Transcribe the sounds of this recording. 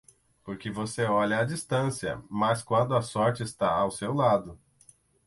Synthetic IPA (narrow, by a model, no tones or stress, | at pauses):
poɾkɪvoseɔʎɐɐd͡ʒist̪ɐ̃siɐ̰maskwɐ̃nd̪ʊɐsɔɾt͡ʃɪːst̪aawsewlad̪ʊ